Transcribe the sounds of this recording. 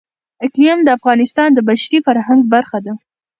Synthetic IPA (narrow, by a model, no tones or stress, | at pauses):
ɪklijamd̪əafɣɑnɪst̪ɑnd̪əbaʃɾifaɾɦaŋɡ̚baɾxad̪a